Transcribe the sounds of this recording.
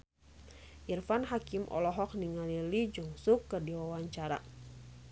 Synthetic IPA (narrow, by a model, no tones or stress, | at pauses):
ʔirfanɦakimʔɔ̰lɔɦɔk̚niŋalilid͡ʒɔŋsukːɨrdiwawaɲt͡ʃaɾa̰